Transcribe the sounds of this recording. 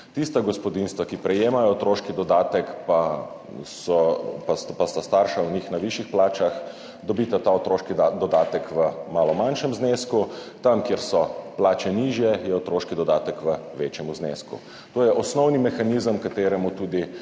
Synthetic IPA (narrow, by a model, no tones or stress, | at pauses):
t̪ist̪aɡɔspɔd̪inst̪ʋakipɾɛjeːmajɔt̪ɾoːʃkid̪ɔd̪aːt̪ɛkpa | sɔpaspast̪ast̪aːɾʃawnixnaʋiʃixplaːt͡ʃax | d̪ɔbiːt̪at̪aɔt̪ɾoːʃkid̪ɔd̪aːt̪əkʋəmaːlɔmanʃɛmzneːskut̪amkjeɾsɔplaːt͡ʃɛniːʒjɛjɛot̪ɾoːʃkid̪ɔd̪aːt̪əkʋəʋeːt͡ʃjɛmuznḛːskṵ | t̪oːjɛʔɔsnɔwnimɛxanizəmkat̪eːɾɛmut̪uːd̪i